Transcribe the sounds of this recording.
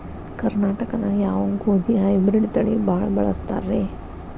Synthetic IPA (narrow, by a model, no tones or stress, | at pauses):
kɐɾnaːʈɐkɐnɐjaːʋɐŋɡoːd̪iɦɐjbɾiɖt̪ɐɭibaːɭɐbɐɭɐst̪a̰ːɾeː